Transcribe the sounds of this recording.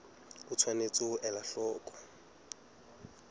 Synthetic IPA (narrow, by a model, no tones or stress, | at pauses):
ʊt͡sʰwanet͡sʼʊʔɛlaɬɔːkʼɔ̥